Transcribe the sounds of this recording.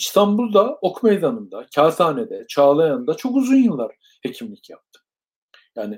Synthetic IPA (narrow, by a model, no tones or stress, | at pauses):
ist̪ʰanbulˠd̪ao̞kʰme̞jd̪anɯnd̪acʰaːt̪aːned̪ɛt͡ʃʰaːlˠajand̪at͡ʃʰo̞kuzunjɯnlˠaɾ̥ | he̞cʰimlʲicʰjap̚t̪ʰɯ̥ | jaːnɪ